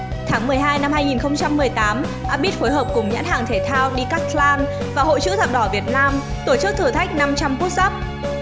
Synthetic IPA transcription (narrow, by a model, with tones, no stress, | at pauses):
t̪ʰaː˨˦ŋmɨ˨˩əjɦaː˧jna˧mhaː˧jŋi˨˩nxə˧wŋ͡mt͡ɕa˧mːɨ˨˩əjt̪aː˨˦m | ʔaː˧ɓi˦˥t̚fo˨˦jɦəː˨˩p̚kʊ˨˩ŋ͡mɲa̰ː˧˥nha̰ː˧˨˩ŋt̪ʰe˧˩t̪ʰaː˧wɗi˧kaː˦˥tlaː˧n | vaː˨˩ho̰˧˨jt͡ɕɨ̰˧˥t̪a̰ː˧˨ɗɔ˧˩vi˨˩ət̚naː˧m | t̪o˧˩t͡ɕɨ˦˥k̚t̪ʰɨ˨˩t̪ʰa˦˥k̟̚na˧mt͡ɕa˧mku˦˥t̚sa˦˥p̚